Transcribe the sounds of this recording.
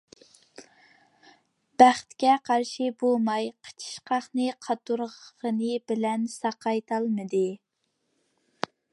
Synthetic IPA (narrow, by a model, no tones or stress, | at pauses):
b̥æχt̪kʲɛqʰɑɾʃɪbolˠmɑjqʰə̥t͡ʃʰi̥ʃqɑχnɨqʰɑt̪uɾʁʁənɨbɪlɛnsɑqɑjt̪ʰɑlˠmɨd̪ɨ